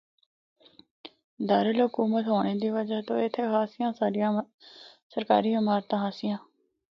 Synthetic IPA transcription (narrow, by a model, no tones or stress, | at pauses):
d̪aːɾəlɦʊkuːmət̪ɦoːɽ̃eːd̪iːʋəd͡ʒaːt̪õːɪt̪ʰːeːkʰaːsɪjãːsaːɾɪjãː | səɾkaːɾiːmaːɾt̪ãːaːsɪjãː